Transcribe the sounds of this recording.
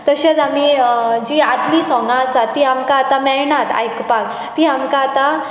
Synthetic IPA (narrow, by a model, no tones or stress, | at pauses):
t̪əɕat͡sam̤id͡ʑiːad̪lisɔ̃ŋɡãəsat̪ːiamkaːt̪amɛɭɳat̪ʰa̰jkpak | t̪iamkaːt̪a